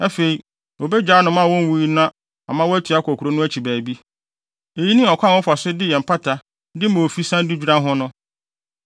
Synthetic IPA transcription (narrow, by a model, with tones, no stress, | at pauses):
æ˦fe˨i˨ | wo˨bɛ˦d͡ʑᶣaː˨˦nʊ̃˨mã˦˨wɔ̃˦n˦wu˨˦i˦nã˦ | a˨mã˦wæ˦tʰi˨a˦kʰʷɔ˨kʰu˨ɾo˦nʊ̃˦æ˦t͡ɕʰi˨bæː˨bi˦ | e˨ji˦nĩ˦˨ɔ˨kʷʰã˦˨wʊ̃˦fa˨sʊ˦dɪ˦jɛ˨m̩˨pʰa˦tʰa˨ | dɪ˦mõ˨fi˦sã˦n˦dʊ˦d͡ʑᶣɾã˦ɦʊ̃˦nʊ̃˦